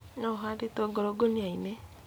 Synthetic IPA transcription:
nɔɦadetoɡoɾoɡoniaine

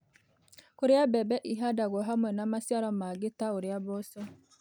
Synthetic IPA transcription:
koɾeabɛbɛʔiɦadaɣɔɦamwɛnamasjaɾamaɡetaoɾeabɔsɔ

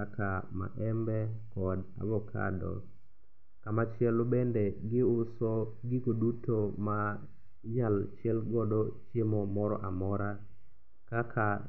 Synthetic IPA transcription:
akama̰ʔɛmbɛkɔda̰bɔkʰa̰dɔ̰ | kamat͡ʃɪɛlobendeɪʊsɔɡɪɡodutoma | jalt͡ʃɪɛlɡɔdɔt͡ʃemɔmɔɾɔʔamɔɾa | kakʰa

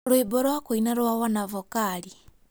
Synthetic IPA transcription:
lwebɔɾwakoinaɾwawanavɔkaɾi

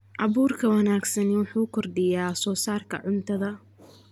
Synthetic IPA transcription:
ʔɑβuːrkʰɐwɑnaːɡsɐnɪwʊħuːkʰɔrd̪ɪjaːsɔːsaːrkʰɐ̰ʕʊnt̪ʰɐðɐ

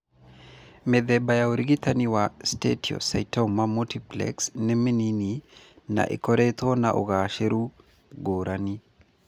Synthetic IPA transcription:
med̪ɛbajaoɾiɡit̪aniwastḛtʰiɔ̰sa̰jtomːamutiplɛ̰ksnɛminini | na̰ʔḭkɔɾet̪ɔnaʔo̰ɡaʃeɾu | ɡoɾʔani

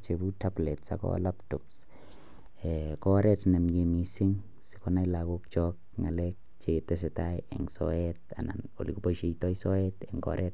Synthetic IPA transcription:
t͡ʃebutablɛtsa̰kɔ̰laptɔps | ɛkɔɾɛtnɛmjemisɪŋ | sɪ̥kɔnajlaɡok̚t͡ʃɔk̚ŋalɛk̚ | t͡ʃetɛs̬ɛtajɛ̰ŋsɔ̰ɛt̚ana̰no̰likopɔʃeitɔisɔɛtɛŋɡɔ̰ɾʔɛt̚

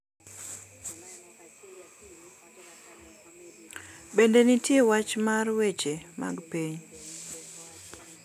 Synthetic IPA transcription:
bendenitjewat͡ʃmarwet͡ʃema̰ɡpeɲ

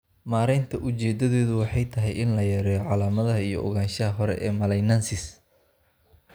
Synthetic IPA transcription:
maːɾɛnt̪ʰɐʔʊt͡ʃɛːd̪ɐðɔːðʊwɑħɑjt̪ʰɐɦɛjʔɪnlɐjɐɾɛːjɔʕɑlaːmɐðɐɦɐijɔʔɔ̰ɣaːnʃɐɦɐɦɔɾɛ̰ʔɛːmɐlɛjnansɪs

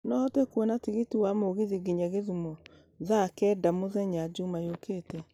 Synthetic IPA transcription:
nɔhɔtekwɔnatiɣetiwamoɣeðiɡeɲaɣeðumɔ | zakɛːdamoðɛɲad͡ʒumajokeːtɛ

